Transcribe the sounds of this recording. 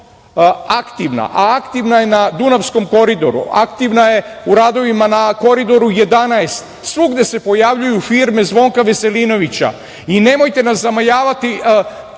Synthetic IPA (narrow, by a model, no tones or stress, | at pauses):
akt̪iʋna̰ʔaakt̪iʋnaje̞nad̪unaʋsko̞mko̞ɾid̪o̞ɾṵa̰kt̪iʋnaje̞ | uɾaːd̪o̞ʋimanako̞ɾid̪o̞ɾuje̞d̪anaest̪ | sʋuɡd̪e̞se̞po̞jaʋʎujufiɾmezʋo̞ːŋkaʋe̞se̞lino̞ʋit͡ɕa̰ | ine̞mo̞jt̪e̞naszamajaːʋat̪i